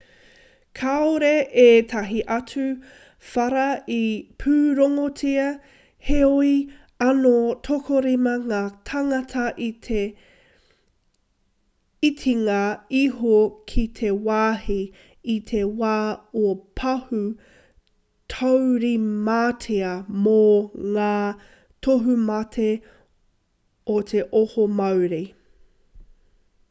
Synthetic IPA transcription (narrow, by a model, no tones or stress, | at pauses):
kʰaoɾeʔeːt̪ʰɐɦiʔɐt͡sʉ | fɐɾɐipʰʉːɾoŋot͡siɐ | heoi | ɐnotʰokʰoɾimɐŋaːt̪ʰɐŋɐtʰɐʔie | itʰiŋaiɦokʰit̪ʰewaːhi | it̪ʰewaːopʰɐhu | tʰowɾimaːtʰeɐmoŋaː | tʰoɦumɐtʰe | ot̪ʰeʔohomɐwɾi